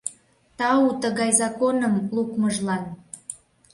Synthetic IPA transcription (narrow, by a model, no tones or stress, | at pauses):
t̪ɑut̪əɣɑjzɑkonəmlukməʒlɑn